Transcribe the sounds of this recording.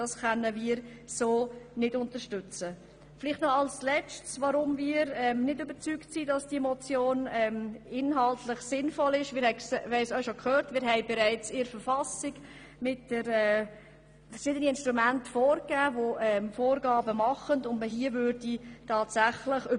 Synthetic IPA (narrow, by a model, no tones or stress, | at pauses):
d̥ɑsχœnːəmiːɾ | soːnɪdʊntəʃtʏt͡sə | fɪlɪχtnɔɑlslɛt͡stsvaɾʊmmiːɾɛmnɪdøbəɾt͡syːktsidɑsd̥imɔt͡sjoːnɛmɪnɦɑltlɪχsɪnfɔlɪʃmɪːɾhɛɪhɛɪsœʊʃokʰhøːɾtmɪːɾɦɛɪbɛɾæɪt͡sɪɾfəɾfɑsɪɡ | mɪt̚d̥əɾɛː | fʃɪdəniɪnʃtɾumæntfoːɾkæːvoʔɛmfoːɾɡɑːbəmɑχəndʊndməɦiəvøɾd̥itʰɑːtsæχləχø